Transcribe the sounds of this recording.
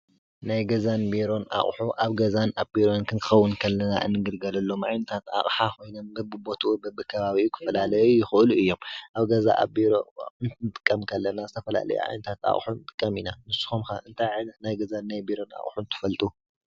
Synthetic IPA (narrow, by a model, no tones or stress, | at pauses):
najɡɐzanbiɾo̞nʔa̰χʼħuʔaβɡɐzanabiɾo̞nkʰɨnt̪ʰɨ̥xɐwːʊnkʰɐlːɐna̰ʔɨ̰nːɨɡɨlɡɐlɐlːo̞mʔa̰jnɐt̪ʰat̪a̰ʔʼħako̞jno̞mbɨbɨbo̞t̪ʰuubɐbɨkʰɐβaβiukʰɨ̥fɐlalɐjujɪxɨʔluɨjːo̞mʔaβɡɐza̰ʔa̰biɾoɨnt̪ʰɨt̪ʼɨkʼːɐmkʰɐlːɐnazɨt̪ʰɐfɐla̰lɐ̰jṵʔa̰jnɐt̪ʰat̪a̰χʼħunt̪ʼɨ̥kʼːɐminamɨsɨ̥xomkaʔɨnt̪ʰajʕajnɐt̪najɡɐzanːajbiɾo̞na̰χʼħunt̪ʰɨ̥fɐlt̪ʼu